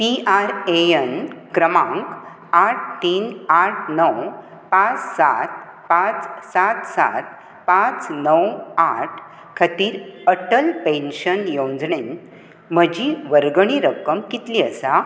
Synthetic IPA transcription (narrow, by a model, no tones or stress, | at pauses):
piaɾeənkɾəmãŋk | aʈ̚ʰt̪iːnaʈʰnəw | pãt͡ssa̰t̪ | pãt͡ssat̪sa̰t̪̚ | pãt͡snəwaʈʰ | kʰət̪iːɾəʈəlpẽnɕənjõnd͡zɳen | m̤əd͡ʑiʋəɾɡɳ̃iɾəkːəmkit̪liəsa